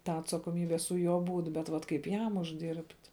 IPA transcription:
ˈtɑː ɐtsɐkoːˈmʲiːbʲɛ sʊ ˈjuɔ ˈbuːt bʲɛt ˈʋɐt kɐɪp ˈjɛm ʊʒʲˈdʲɪrʲpʲtʲ

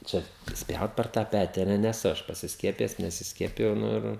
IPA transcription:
ˈt͡ʃʲɛ ˈsʲpʲjɛʊt pʲɛr tɑː ˈpʲæːtʲɪ ɐ ˈnʲɛ nʲɛˈsʊ ˈɐʃ pɐsʲɪsʲˈkʲiɛpʲɪjɛs nʲɛsʲɪsʲˈkʲiɛpʲɪjɛʊ ˈnʊ ɪr

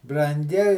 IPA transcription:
brɐŋʲˈɡʲɪ

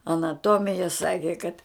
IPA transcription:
ɐnɐˈtoːmʲɪjɛ ˈsɑːkʲɪ kɐt

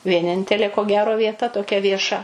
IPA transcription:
ʋʲiɛˈnʲɪnʲtʲɛlʲeː koː ˈɡʲæːroː ʋʲiɛˈtɐ toːˈkʲɛ ʋʲiɛˈʃɐ

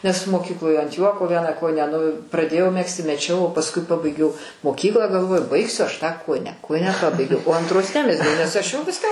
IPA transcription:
nʲɛs moːˈkʲiːklˠoːj ɐnt ˈjuɔkoː ˈʋʲiɛnɑː ˈkoːjɪnʲæː nʊ prɐˈdʲeːjɛʊ ˈmʲæːksʲtʲɪ mʲɛˈt͡ʃʲɛʊ oː pɐsˈkʊɪ ˈpɑːbɐɪɡʲɛʊ moːˈkʲiːklˠɑː ɡɐlˠˈʋoːjʊ ˈbɐɪksʲʊ ˈɐʃ ˈtɑː ˈkoːjɪnʲæː ˈkoːjɪnʲæː ˈpɑːbɐɪɡʲɛʊ oː ɐntˈroːs ˈnʲæːmʲɛzʲɡʲɛʊ nʲɛs ˈɐʃ jɛʊ ˈʋʲɪskɑː ˈmoː

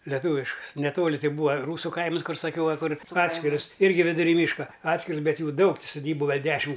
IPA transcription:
lʲɛˈtuːʋʲɪʃkʊs nʲɛˈtoːlʲɪ ˈtɐɪ ˈbuːɐ ˈruːsʊ ˈkɐɪmɐs ˈkʊr sɐˈkʲɛʊ ˈʋɐ ˈkʊr ˈɑːtʲsʲkʲɪrʊs ˈɪrʲɡʲɪ ʋʲɪdʊˈrʲiː ˈmʲiːʃkɐ ˈɑːtʲsʲkʲɪrʊs ˈbʲɛt ˈjuː ˈdɐʊk tʲɪ sʊˈdʲiːbʊ ˈɡɐlˠ ˈdʲæːʃʲɪm

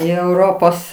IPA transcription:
iː ɛʊˈroːpoːs

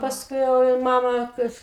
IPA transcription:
pɐsˈkʊɪ jɛʊ ɪ ˈmɑːmɐ kɐɪp

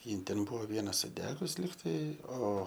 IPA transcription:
ˈjɪn ˈtʲɛn ˈbʊʋoː ˈʋʲiɛnɐ sʊˈdʲæːɡʊs ˈlʲɪktɐɪ ˈoː

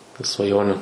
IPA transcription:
ɪr sʋɐˈjoːnʲʊ

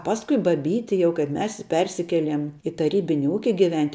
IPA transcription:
ˈpɑːskʊɪ bɐˈbʲiːtʲɪ ˈjɛʊ kɐɪp ˈmʲɛs ˈpʲɛrʲsʲɪkʲɛlʲiɛm ɪ tɐˈrʲiːbʲɪnʲɪ ˈuːkʲɪ ɡʲɪˈʋʲɛnʲtʲ

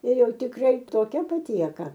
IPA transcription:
ɪr ˈjɛʊ tʲɪkˈrɐɪ toːˈkʲɛ pɐˈtʲiɛkɐ

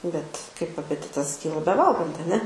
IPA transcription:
bʲɛt kɐɪp ɐpʲɛˈtʲɪtɐs ˈkʲiːlˠɐ bʲɛˈʋɐlˠɡɐnt ɐˈnʲɛ

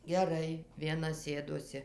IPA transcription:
ɡʲɛˈrɐɪ ʋʲiɛˈnɐ ˈsʲeːdoːsʲɪ

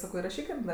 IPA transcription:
ˈsɑːkoː ɪrɐˈʃʲiːkʲɪm ˈdɐ

